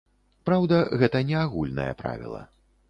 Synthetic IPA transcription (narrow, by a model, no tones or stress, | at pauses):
pɾawd̪ɐɣɛt̪ɐnʲɛaɣulʲnɐ̰jɐpɾa̰vʲḭlˠɐ̰